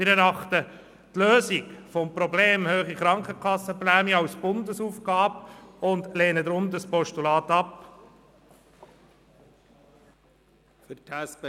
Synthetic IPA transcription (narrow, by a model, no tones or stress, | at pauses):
ɪɾɛɾɑχtə | tløːsikfɔmpɾɔbleːmhøːχiχɾɑŋkəkʰɑsəplæːmiɑʊsb̥ʊndəsuːfɡ̥ɑːbʊndleːnədɾʊnt̪əspɔʃtulɑːtɑp | ftʰæsp